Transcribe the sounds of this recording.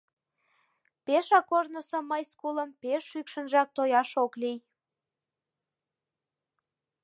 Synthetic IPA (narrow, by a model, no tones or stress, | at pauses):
peʃɑkoʒnosŏməjskuləmpeʃːykʃə̆nʒɑk̚t̪ojɑʃoklij